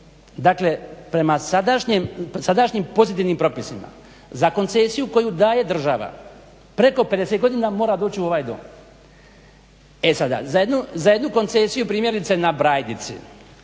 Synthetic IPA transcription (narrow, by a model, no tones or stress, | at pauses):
d̪akle̞pɾe̞masad̪aʃɲemsad̪aʃɲimpo̞zit̪iːʋnimpɾo̞pisima̰ | zako̞nt̪sesijuko̞jud̪aːje̞d̪r̩ʒaʋa̰ | pɾe̞ko̞ped̪e̞set̪ɡo̞d̪iːnamo̞ːɾad̪oːt͡ɕiuo̞ʋaːjd̪o̰ːm | esad̪a̰zajed̪nuzaje̞d̪nuko̞nt̪se̞sijupɾiːmjeɾit̪senabɾaːjd̪nit̪sḭ